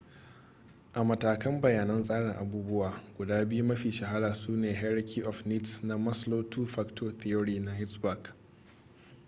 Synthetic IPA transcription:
ʔa˨mɐ˨taː˨kɐ˦mbɐ˨jaː˨nɐ˦nsʼaː˦ɽɪ˨ŋʔa˨buː˦bʊ˦waː˨ɡʷʊ˨daː˦bɪ˦ju˦mɐ˦ɸiː˨ʃɐ˨ɦa˦ɽaː˨suː˦neː˨ɦa˦ɽɐ˦kʲʰiː˦ʔɔ˨ɸni˦tna˦mɐ˦sloː˦tʰuː˦ɸa˦ktʰo˦θi˦o˦ɽiː˦na˨hɪ˦tsba˨k

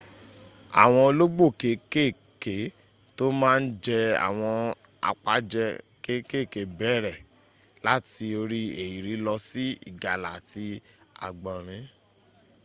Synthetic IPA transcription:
a̰˨w̃ɔ̃˧lo˦ɡ͡bo˦˨ke˨˦ke˦˨ | ke˨˦ | to˦mãː˦˧n̩˦d͡ʒɛ˧a̰˨w̃ɔ̃˧ | a̰˨k͡pa˨˦d͡ʒɛ˧ | ke˦ke˦˨ke˨˦bɛ˦˨ɾɛ˦˨ | la˦ti˧o˧ɾi˦e˨ji˨ɾi˨˦lɔ˧si˦ḭ˦˨ɡa˨la˨ti˧a̰˨ɡ͡bã˨ɾ̃ĩ˨˦

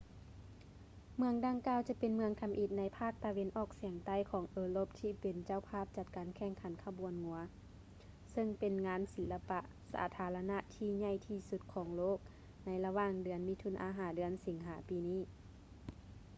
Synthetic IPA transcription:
mɯ˧əŋda˧ŋkaː˧˨wt͡ɕa˧˦pe˨nmɯ˧əŋk̪ʰa˧mʔi˧˩t̪̚na˧˥jpʰaː˥˩k̚t̪a˨˧we˧˦nʔɔː˧˩k̚si˨˩˦əŋt̪a˧˩˨jkʰɔː˨˦ŋʔɤː˨˧˦lo˧˥p̚t̪ʰiː˧˩pe˨˩nt͡ɕa˧˨wpʰaː˥˩˨p̚t͡ɕa˧t̪̚kaː˨˦nkʰɛː˧˩˨ŋkʰa˨˩˦nkʰa˧bu˨ənŋu˧˨˦ɐ | sɤ˧ŋpe˨nŋaː˧˥nsi˨˦lːa˧pa˧ʔ | sa̰ː˩˦t̪ʰaː˧˦la˧na˧ʔt̪ʰiː˧˩ɲa˧˩˨jt̪ʰiː˧su˧t̪̚kʰɔː˨˩˦ŋloː˥˩k̚ | na˧˥jla˧waː˧ŋdɯ˨˩˦ənmi˧˥t̪ʰu˧˨nʔa̰ː˧˦ɦaː˨˦dɯ˨˩˦ənsi˨˩˦ŋɦaː˩˦piː˨˦niː˧˥˩

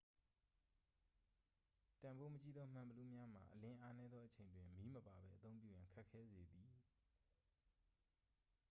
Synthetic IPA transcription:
tã˨mbo˦mət͡ɕi˦d̪ɔ˦m̥ã˨mbə˨lu˦˨mja˦m̥a̰˨ʔəlɪ̃˦ʔa˦nɛ˦d̪ðɔ˦ʔət͡ɕʰẽ˨ɪ̃ndwɪ̃˨mi˦məpa˨bɛ̰˦ʔət̪õ˦ʊ̃mpjṵ˦˨jã˨ŋkʰa˦ʔkʰːɛ˦ze˨d̪i˨

